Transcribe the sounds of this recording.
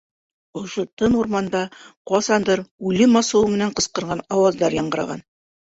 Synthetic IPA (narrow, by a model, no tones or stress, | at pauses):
ŏʃot̪ɤnuɾmɑnd̪ɑqɒsɑnd̪ɤɾʉlɘmɑsɤ̆wɤmɘ̆næɴqɤ̆sqɤ̆ɾʁɑnɑwɑzd̪ɑɾjɑɴɢɤ̆ɾɑ̰ʁɑ̰n